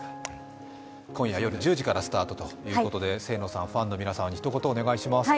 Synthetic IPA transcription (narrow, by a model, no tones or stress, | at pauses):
kõɰ̃jajo̞ɾɯ̟d͡ʑɨːʑikaɾasɨ̥t̪aːt̪o̞t̪o̞jɯːko̞t̪o̞d̪e̞se̞ːno̞ːsãɸãnːo̞mʲinasamaɲ̟içi̥t̪o̞ko̞t̪oːne̞ɡaiɕimas